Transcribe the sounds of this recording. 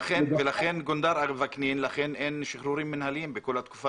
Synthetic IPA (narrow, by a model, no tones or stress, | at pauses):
aχenvelaχenɡond̪aɾavakninlaχenʔenʃiχɾuɾimːinhalimbeko̞lhat̪ku̥fa